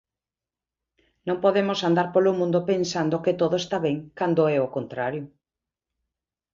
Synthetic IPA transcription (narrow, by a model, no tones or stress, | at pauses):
nõŋpoðemosand̪aɾpolomũnd̪opensand̪oket̪oðoest̪aβɛŋkand̪oɛokont̪ɾaɾjʊ